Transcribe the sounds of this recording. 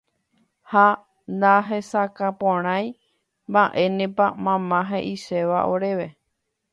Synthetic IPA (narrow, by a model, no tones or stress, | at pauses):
ha | nd̪aɦe̞sakapõɾ̃ãj̃ | mbaʔe̞nẽpamãmãɦẽʔiʃe̞ʋa̰ʔo̞ɾeʋe̞